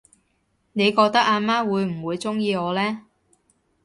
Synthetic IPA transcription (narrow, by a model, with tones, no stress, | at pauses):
ne˨˧jkɔː˧k̚t̪ɐ˥k̚aː˧maː˥wuː˨˧jm̩˨˩wuː˨˧jt͡sʊ˥ŋjiː˧ɔː˨˧lɛː˥